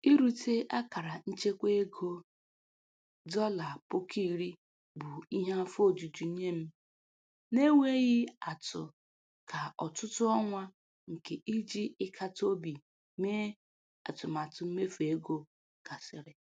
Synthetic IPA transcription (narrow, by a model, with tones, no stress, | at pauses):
i˦ɾu˦te˦a˦ka˨ɾa˨n̩˦t͡ʃe˦kʷe˦e˦ɡo˦ | dɔ˦la˨pʊ˦kʰi˦˨ɾi˦ | bʊ˨i˦ɦa˦fo˦˨d͡ʒu˨d͡ʒu˨˦ɲe˦m̩˦ | ne˦we˦ɣɪ˦a˨tʊ˨ | kʰa˨ɔ˨tʊ˦tʊ˦ɔ˦ŋʷa˦ | ŋ̩˨ke˨ʔi˦d͡ʒi˦ɪ˦kʰa˦to˦bi˨ | me˦ | a̰˨tʊ˨m˨a˨tʊ˨m̩˦me˦fe˦ɡo˦ | ka˨sɪ˨ɾɪ˦